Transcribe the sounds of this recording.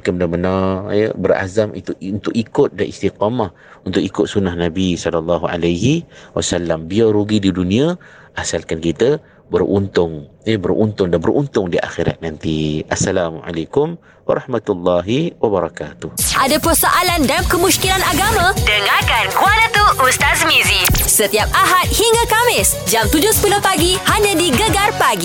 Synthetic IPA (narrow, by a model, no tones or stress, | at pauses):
ikəbədabənajəbəra̰zamḭt̪uunt̪ʊʔikʊt̪̚danʔist̪iqɑmah | unt̪ʊkikʊt̪̚sunahnabisɔlalːɑɦuʔa̰lajɦiwa̰salːambiaɾuɡididunĩa | ʔasalkankit̪ə | bərṵnt̪ʊŋjəbərʔṵnt̪ʊŋdanbəɾʔunt̪ʊŋdiʔa̰xiɾa̰t̪̚nant̪iʔasːalaːmʔa̰lajkʊm | wɑ̰ɾˤʔɑhmat̪ulːɑɦiwabaɾɑka̰t̪ʊhʔadapərsaʔalandalamkəmuskilanaɡamãdəŋakankuanət̪uʔust̪asmizisət̪iap̚ʔaɦat̪̚hiŋɡakamɪs | d͡ʒamt̪ud͡ʒʊsə̥pulohpaɡihaɲadiɡəɡarpaɡi